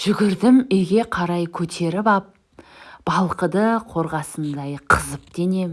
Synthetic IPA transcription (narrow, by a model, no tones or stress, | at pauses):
ʒ̥ʏɡʲɪɾd̪ɪmeɡʲe̞qʰɑɾɑjkʲʰɵt̪ʰe̞ɾɪpɑp̚ | b̥ɑlˠqəd̪əqʰo̞ɾʁɑsənd̪ɑjqʰəzəp̚d̪̥e̞ne̞m